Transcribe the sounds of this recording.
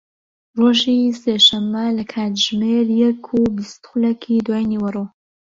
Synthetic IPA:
roʒiseʃɐmːɐlɐkʰaːt̪ʒmeɾjɛkʰubist̪xʊlɛkʰid̪waːjniwɐro

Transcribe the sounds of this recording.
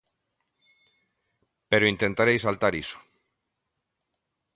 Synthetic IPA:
peɾoint̪ent̪aɾejsalt̪aɾiso̥

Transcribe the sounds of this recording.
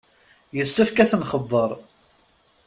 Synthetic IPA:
jəsːəfkæθənχəðˤːəɾˤ

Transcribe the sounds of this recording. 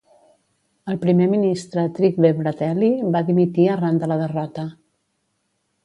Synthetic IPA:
əlˠpɾimeminist̪ɾət̪ɾik̚βeβɾət̪ɛliβaðimit̪iərand̪ələðərɔt̪ə

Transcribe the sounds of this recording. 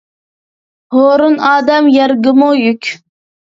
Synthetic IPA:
hoːɾunɑːd̪ɛmjɛɾɡɪmujykʲ

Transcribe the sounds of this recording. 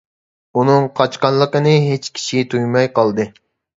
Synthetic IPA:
unɨŋqʰɑt͡ʃqɑnlˠːəqənɨɦet͡ʃkʲʰi̥ʃit̪ʰujmɑjqɑlˠd̪ɨ

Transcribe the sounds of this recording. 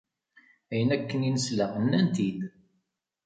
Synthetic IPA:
æjənækːəninəslænːænt̪id̪

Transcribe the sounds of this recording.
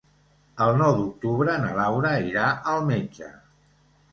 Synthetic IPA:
əlˠnɔwd̪uk̚t̪uβɾənəlawɾəiɾaʔəlˠmed͡ʒə̰

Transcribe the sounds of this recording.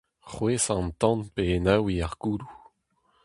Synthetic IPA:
χweːsɑ̃nt̪ɑ̃npeːnawiaʁɡuːlu

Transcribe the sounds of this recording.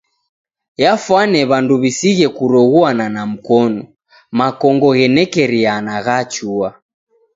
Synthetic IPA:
jafwanɛβanduβisiɣɛkuɾɔɣuananam̩kɔnɔ | makɔŋɡɔɣɛnɛkɛɾianaɣat͡ʃua

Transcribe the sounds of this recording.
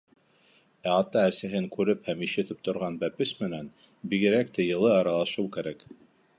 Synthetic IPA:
æɑt̪ɑæsæɦɘŋkʉɾɘphæmiʃɘ̆t̪ɘp̚t̪ŏɾʁɑnbæpɘsmɘ̆næn | biɡɘ̆ɾækt̪æjɤ̆lˠɤɑɾɑlˠɑʃɤwkæɾæk

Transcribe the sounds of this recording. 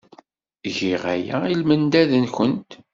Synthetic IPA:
ʝiʁæjæ̰ilmənd̪æðənçənt̪

